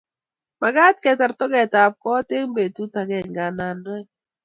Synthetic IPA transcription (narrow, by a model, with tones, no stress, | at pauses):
ma˨ɡa˦tkɛ˨ta˨ɾtɔ˦ɡɛ˨ta˨p̚kɔ˦te˦ŋbe˨tu˦ta˨ɡɛ˨ŋɡa˨na˨ndwɛ˦